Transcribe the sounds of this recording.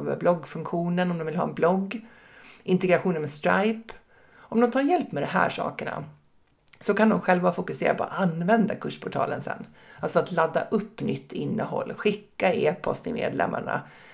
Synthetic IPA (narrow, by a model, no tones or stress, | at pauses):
vəblɔɡfɵŋkɧuːnənɔmd̪ɔmvɪlɦɑ̰ːɛnblɔɡː | ʔɪnt̪ɛɡɾaɧuːnənmɛst̪ɾajp | ɔmd̪ɔmt̪ʰaːɾjɛlpːmɛd̪ɔmɦæ̰ːʂɑ̰ːkəɳa̰ | sɔkand̪ɔmɧɛlvafʊkɵseːɾapʰɔa̰t̪anvɛnd̪akʰɵʂpʰʊʈʰɑ̰ːlənsɛ̰nː | alsɔat̪lad̪ːa̰ʔɵpːnʏt̪ʰːɪnːəɦɔ̰lːɧɪkːaeːpʰɔst̪ɪmḛːd̪lɛ̰mːa̰ɳa̰